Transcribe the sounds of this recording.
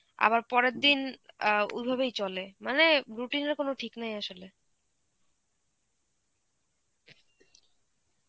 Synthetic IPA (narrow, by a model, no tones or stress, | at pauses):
a̰baɾpɔɾeɾd̪in | ṵd̪̚bʱabejt͡ɕolemaneɾuʈineɾkonoʈʰiknajaʃole